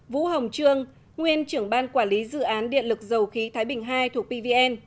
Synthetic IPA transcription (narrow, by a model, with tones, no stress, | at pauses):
vṵ˧˥ɦə˨˩wŋ͡mt͡ɕɨ˧əŋ | ŋwi˧ənt͡ɕɨ˧˩əŋɓaː˧nkwaː˧˩nli˨˦zɨ̰˧˨ʔaː˨˦nɗḭ˧˨ənlɨ˨˩k̚zə˨˩wxi˨˦t̪ʰaː˨˦jɓï˨˩ŋ̟ɦaː˧jt̪ʰu˨˩ək̚ɓi˧vi˧ʔɛ˧n